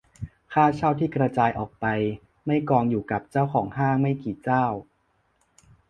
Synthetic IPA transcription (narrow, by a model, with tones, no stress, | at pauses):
kʰaː˥˩t͡ɕʰa˥˩wt̪ʰiː˥˩kɾa˧t͡ɕaː˧jʔɔː˨˩k̚pa˧j | ma˥˩jkɔː˧ŋjuː˨˩ka˨˩p̚t͡ɕa˥˩wkʰɔː˩˦ŋhaː˥˩ŋma˥˩jkiː˨˩˦t͡ɕaː˥˩w